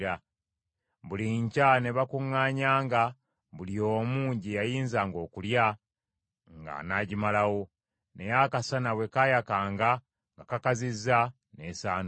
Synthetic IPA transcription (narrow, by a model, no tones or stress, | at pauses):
ɾa | βuliɲcane̞βakuŋːaːɲaːŋɡa | βulio̞ːmuːɲɟijajiːnzaːŋɡo̞ːkulja | ŋɡa̰naɟimalawo̞ | ne̞jakasanawe̞kajakaːŋɡa | ŋɡakakazizːa | nesaːn